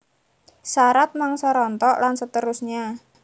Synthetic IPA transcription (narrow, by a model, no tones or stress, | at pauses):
saɾat̪̚maŋsəɾɔnt̪ɔʔlansət̪əɾusɲa